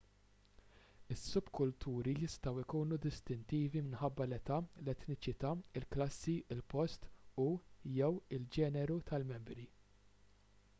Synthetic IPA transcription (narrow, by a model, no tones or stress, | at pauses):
ɪsːʊbkʊlt̪ʰuːɾijɪst̪ɐwɪkuːnud̪ɪst̪ɪnt̪iːvimɪnħɐbːɐlɛt̪ɐlɛt̪nɪt͡ʃɪt̪ɐːɪlklɐsːiɪlpɔst̪ujɛwɪld͡ʒɛːnɛɾut̪ʰɐlmɛmbɾi